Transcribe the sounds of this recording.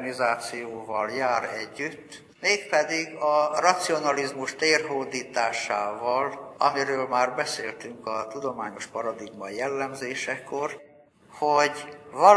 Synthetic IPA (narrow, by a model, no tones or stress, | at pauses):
nizaːt̪sijoːvɒ̰ljaːɾɛɟːyt̪ː | meːkpɛd̪iɡɒrɒt̪sio̞nɒlizmuʃt̪eːrɦoːd̪iːt̪aːʃaːvɒlɒmiɾøːlmaːrbɛseːlt̪yŋkɒt̪ud̪o̞maːɲo̞ʃpɒɾɒd̪iɡmɒjɛlːɛmzeːʃɛko̞r | hoɟvɒ